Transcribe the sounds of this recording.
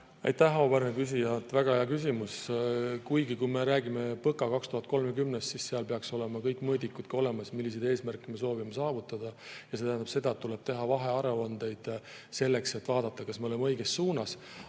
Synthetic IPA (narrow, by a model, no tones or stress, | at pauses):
ɑ̰jt̪æhoːbæɾnekys̬ijɑt̪ːˑvæɡ̥ɑhɑjɑkys̬ʲimuskujɡikujme̞ɾæːɡime̞pɤkːˑɑkɑkst̪uɦɑt̪̚ko̞lmekymnest̪sisseɑlpe̞ɑkso̞le̞mɑkɤjkːˑmɤːd̪ikːud̪̥kɑo̞lemɑsmilːisejd̪e̞ːsmærkːˑimeso̞ːvimesɑːvut̪ːˑɑd̪̥ɑjɑse̞t̪æɦænd̪ɑb̥se̞d̪̥ɑet̪ːule̞b̥t̪e̞ɦɑvɑɦe̞ɑɾeɑnd̪̥e̞jd̪̥ | se̞lːe̞kse̞t̪ːˑvɑːd̪̥ɑt̪ˑːɑkɑsmeole̞meɤjɡ̥esːuːnɑs